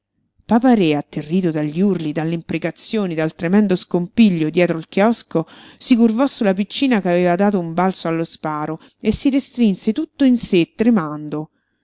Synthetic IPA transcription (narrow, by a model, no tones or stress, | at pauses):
papaɾeat̪ːerːiːt̪̬od̪aʎːurlid̪alːeimpɾekat̪sːjoːnid̪alt̪ɾemɛnd̪oskompiʎːod̪jɛːt̪ɾoilkjɔskosikurvɔsːulapit͡ʃːiːnakaveːvad̪aːt̪̬oumbalsoalːospaːɾo | esːiɾest̪ɾinset̪ut̪ːoinset̪ːɾemand̪o